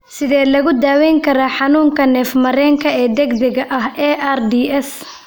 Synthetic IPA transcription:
sɪðɛːlɐɣʊd̪aːwɛːŋkʰɐɾaːħɑnuːŋkʰɐnɛːfmɐɾɛːŋkʰɐɛːd̪ɛɡd̪ɛɣɐʔɐɦɛːʔaːrd̪iːɛs

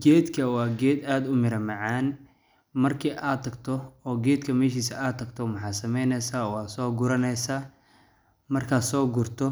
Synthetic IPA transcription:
ɡɛːd̪kʰɐwɑːɡɛːd̪aːd̪ʊmɪɾɐmɑʕɑːn | mɐrkʰiʔaːd̪t̪ʰːɐɡt̪ʰɔɔːɡɛːd̪kʰɐmɛːʃiːsɐaːd̪t̪ʰːɐɡt̪ʰɔmɐħɑːsɐmɛjnɛsaːwɑːsɔːɡʊɾɐnɛjsaː | mɐrkʰaːsɔːɡʊrt̪ʰɔ

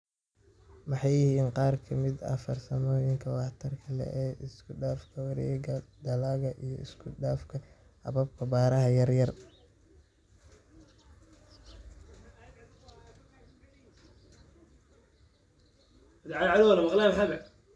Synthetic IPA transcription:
mɑħɑjːɪhiːnqɑːrkʰɐmɪd̪ɐ̰fɐrsɐmɔːjɪŋkʰɐwɑħt̪ʰɐrkʰɐlɛ̰ʔɛːʔɪskʰʊɖaːfkʰɐwɑɾɛ̰ɡɐd̪ɐlaːɣɐʔijɞɪskʰʊɖaːfkʰɐ | hɐ̰βɐb̚kʰɐbaːɾɐɦɐjɐrjɐr | ɐd̪ʕadʕaðʊwlɐmɐqlaːmħaɡɐ

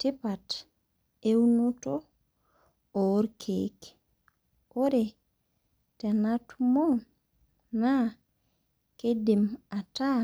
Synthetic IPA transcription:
tipat | enuto | oɾkʰek | oɾe | tenatumon | na | kedimata

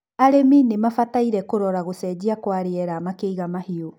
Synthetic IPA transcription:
aɾeminemafataiɾɛkoɾɔɾaɣosɛd͡ʑiakwaɾeɛɾaːmakeiɣamahio

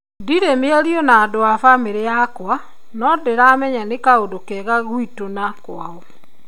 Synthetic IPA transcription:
diɾemeaɾiɔnaːdoafameɾejakwa | nɔdeɾamɛɲanekaodokɛːɣaɣuitonakwaɔ

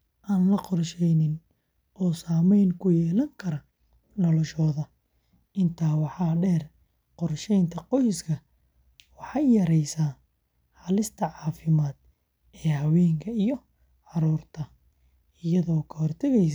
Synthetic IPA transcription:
ʔaːnlɐqɔrʃɛjnɪn | ɔːsaːmɛjnkʰʊjɛːlɐŋkʰɐɾɐ | nɔlɔʃɔːðɐ | ɪnt̪ʰaːwɑħɑːɖɛːr | qɔrʃɛjnt̪ʰɐqɔjskʰɐ | wɑħɑjjɐɾɛjsaː | ħɑlɪst̪ʰɐʕɑːfɪmaːd̪̥ | ɛːhɐwɛːŋkʰɐijɔ | ʕɑɾuːrt̪ʰɐ | ɪjɐðɔːkʰɐɦɔrt̪ʰɐɣɛjs

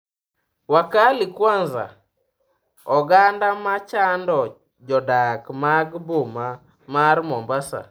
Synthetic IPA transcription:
wakalikwanza̰ | ɔɡandamat͡ʃandɔ | d͡ʒɔdakmaɡboma | maɾmɔmbasa̰

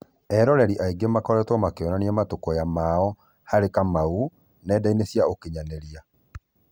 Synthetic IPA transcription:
ɛɾɔɾɛɾiʔaiɡemakɔɾɛtɔmakeɔnaniɛmatokɔjamaɔ | haɾekamau | nɛdainesjaokeɲanɛɾia

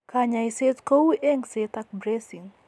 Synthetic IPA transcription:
kaɲaiset̪kowuʔeŋset̪ak̚bɾesiŋ

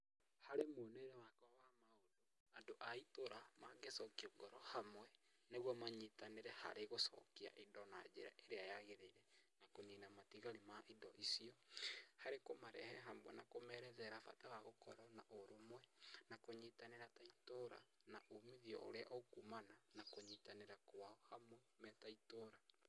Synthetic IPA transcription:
haɾemoneeɾewakɔwamaodo | adoʔaitoɾamaɡesɔkioɡɔɾɔhamwɛ | neɣwɔmaɲitaneɾɛha̰ɾeɣosɔ̰kia̰ʔidɔnad͡ʒeɾa̰ʔeɾeajaɣeɾeiɾɛnakoninamatiɣaɾimaʔidɔʔisiɔhaɾekomaɾɛhɛɦamwɛnakomɛɾɛðɛɾafa̰tawaɣokɔɾɔnaʔoɾomwɛnakoɲitaneɾataitoɾa̰ | naʔomiðiɔ̰o̰ɾeaʔokumananakoɲitaneɾakwaɔhamwɛ | mɛtaitoːɾa

